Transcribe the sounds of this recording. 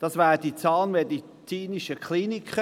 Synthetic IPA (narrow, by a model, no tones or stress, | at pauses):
d̥ɑsvæːʁəd̥it͡sɑːlnmedi | t͡siːniʃəkχliːnikχə